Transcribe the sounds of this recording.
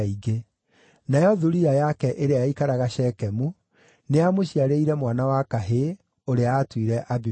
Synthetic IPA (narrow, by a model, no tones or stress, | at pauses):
iɡe | najɔðuɾiajakɛʔeɾeaikaɾaɣaɕɛkɛmu | neamoɕiaɾeiɾɛmwanawakaɦe | oɾeaːtwiɾɛʔabi